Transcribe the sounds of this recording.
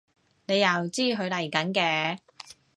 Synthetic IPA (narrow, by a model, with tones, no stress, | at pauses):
ne˨˧jːɐ˨wt͡siː˥ɦɵ˨˧ɥlɐ˨˩jkɐ˨˥nkɛː˧